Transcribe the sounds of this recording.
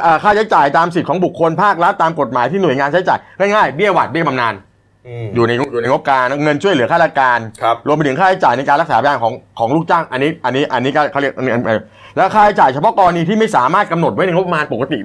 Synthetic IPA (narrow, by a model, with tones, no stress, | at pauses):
ʔəː˨˩kʰaː˥˩t͡ɕʰa˦˥jt͡ɕaː˨˩jt̪aː˧msi˨˩kʰɔː˩˦ŋbu˨˩kʰːo˧npʰaː˥˩k̚ɾa˦˥t̪ːaː˧mko˨˩t̪̚maː˩˦jt̪ʰiː˥˩nu˨˩jŋaː˧nt͡ɕʰa˦˥jt͡ɕa̰ː˨˩jŋaː˥˩jŋaː˥˩jbi˥˩əwa̰˨˩t̪̚bi˥˩ma˧naː˧n | juː˨˩na˧jjuː˨˩na˧jŋo˦˥p̚kaː˧n˥ŋɤ˧nt͡ɕʰu˥˩əjlɯ˩˦ɐkʰaː˥˩a˧˩kaː˧nʰ˦ɾu˧p̬t̪ʰɯ˩˦ŋkʰaː˥˩t͡ɕʰa˦˥jt͡ɕaː˨˩jna˧jkaː˧nla˦˥k̚saː˩˦pʰjaː˧nkʰɔː˩˦ŋkʰɔː˩˦ŋluː˥˩k̚t͡ɕaː˥˩ŋʔa˧nːiː˦˥ʔa˧nːiː˦˥ʔa˧nːiː˦˥kɔː˥˩kʰa˦˥li˥˩ə˩kʔ | lɛː˦˥wkʰaː˥˩t͡ɕa˦˥jt͡ɕaː˨˩jt͡ɕʰa˧pʰɔ˦˥kɔː˧la˧niː˧t̪ʰiː˥˩ma˥˩jsaː˩˦maː˥˩t̪̚ka˧mno˨˩t̪̚wa˦˥jna˧jŋo˥pːa˧maː˧npo˨˩ka˧t̪i˨˩a˥˩